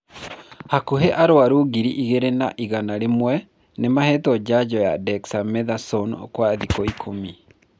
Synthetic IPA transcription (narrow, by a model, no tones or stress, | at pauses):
hakuɦeʔaɾoaɾuɣiɾiʔiɣeɾenaʔiɣanaɾemwɛ | nemahɛtɔd͡ʑad͡ʑɔjadɛksamɛðasɔn̰kwaðikɔikʰomi